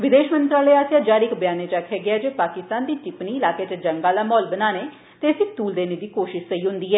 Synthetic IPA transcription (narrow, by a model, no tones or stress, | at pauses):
ʋɪd̪eːʃmə̃nt̪ɾaːləeːaːsjaːd͡ʒaːɾiːɪkbjaːneːt͡ʃaːkʰɛːɡɪaːd͡ʒeːpaːkɪst̪aːnd̪iːt͡ʃɪpniːɪlaːkeːt͡ʃed͡ʒəŋɡãːd̪aːmɔːlbənaːneː | t̪eːəsĩːt̪uːld̪eːneːd̪iːkoːʃɪʃsəiːɦʊ̃nd̪iːɦɛː